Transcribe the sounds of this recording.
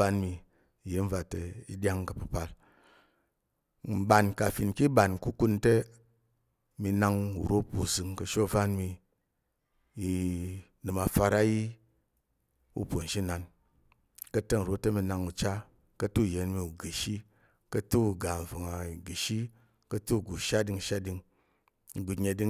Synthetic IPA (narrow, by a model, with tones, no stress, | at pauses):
a˧nmi˧˨ | je˨˦n̩˦va˧te˧i˦dʲa˦ŋkə˧pɨ˧pa˧l | m̩˨ba˨nka˨fi˨nki˦ɓa˨nku˦ku˧˦nte˦ | mi˧na˧ŋṵ˨ɾo˦po̰˨zɨ˨˧ŋkə˧ʃo˦˧va˦nmi˧ | i˧ | nɨ˨ma˧fa˧ɾa˦ji˦ | ṵ˧po˨n̩˨ʃi˦na˧n | kə˧te˦ŋu˨ɾo˦te˦mi˧na˧ŋu˨t͡ʃa˦ | kə˧tu˦˨je˨nmi˧u˨ɡi˨ʃi˦ | kə˧tu˦u˨ɡa˨vɨ˨ŋa˨i˨ɡi˨ʃi˦ | kə˧tu˦˨ɡu˨ʃa˦di˧ŋ˧ʃa˦di˧ŋ˨ | ɡu˨ɲe˧di˧˦